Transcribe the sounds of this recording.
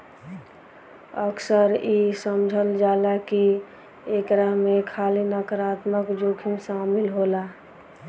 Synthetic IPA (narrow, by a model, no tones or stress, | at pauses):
əksəɾisəmd͡ʒʱəld͡ʒaːlaki | ekɾamekʰaːlinəkəɾaːt̪məkd͡ʒoːkʰimsaːmɪlɦoːla